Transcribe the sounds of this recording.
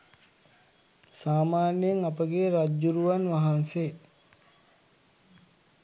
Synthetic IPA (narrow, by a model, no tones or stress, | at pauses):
saːmaːnjeŋapəɡeːɾad͡ʒuɾuʋanʋaɦanse